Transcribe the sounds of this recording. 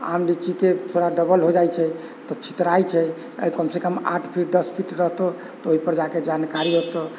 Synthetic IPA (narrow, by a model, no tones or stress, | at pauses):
a̰mlit͡ʃiket̪ʰoɽaɖəbəlɦod͡ʒajt͡ʃʰɛ | t̪ɔt͡ʃʰi̥t̪ɾajt͡ʃʰɛ | ə̰jkəmsekəma̰ʈʰpʰiʈ̚d̪əspʰiʈɾəɦt̪o | t̪ɔoipəɾd͡ʒaked͡ʒankaɾiɦot̪o